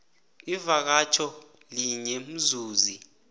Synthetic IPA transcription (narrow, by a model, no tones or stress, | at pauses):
ivak̬at͡ʃʰɔ | liɲɛm̩zuːzi